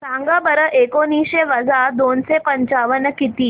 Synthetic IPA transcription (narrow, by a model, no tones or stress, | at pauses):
sãŋɡəbəɾəʔekoniːɕeʋəd͡zʱad̪onsepəɲt͡ɕaʋənəkit̪iː